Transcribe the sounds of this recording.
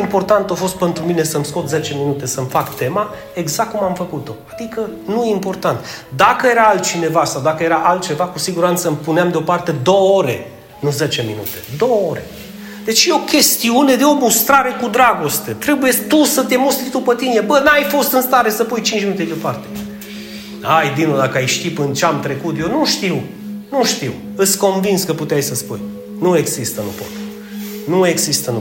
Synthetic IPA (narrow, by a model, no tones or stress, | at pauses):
impo̞rt̪ant̪ofo̞st̪̚pe̞nt̪ɾumine̞səmsko̞t̪ze̞t͡ʃe̞minut̪e̞səmfakt̪e̞ma | e̞ɡzakkːumamfəkut̪o̞ad̪ikənujeimpo̞rt̪ant̪d̪akəje̞ɾaalt̪̚t͡ʃine̞vasawd̪akəje̞ɾaʔalt̪̚t͡ʃe̞vakusiɡuɾant̪səmpuneamd̪eo̞part̪e̞d̪o̞wəoɾe̞̰ | nuze̞t͡ʃe̞minṵt̪e̞d̪o̞wəo̞ɾe̞̰ | d̪e̞t͡ʃjeo̞kʲe̞st̪iune̞d̪eo̞must̪ɾaɾe̞kud̪ɾaɡo̞st̪et̪ɾe̞bujet̪usət̪e̞must̪ɾid̪upət̪ine̞bənajfo̞st̪ɨnst̪aɾe̞səpujt͡ʃint͡ʃʃminut̪ed̪eopart̪e̥ | ajd̪inod̪akəajʃt̪ipɨnt͡ʃeamt̪ɾe̞kut̪jewnuʃt̪iw | nuʃt̪iw | ɨsko̞nvinskəput̪eajsəspuj | nue̞ɡz̥ist̪ənṵpo̞̰t̪ | nue̞ɡzist̪ən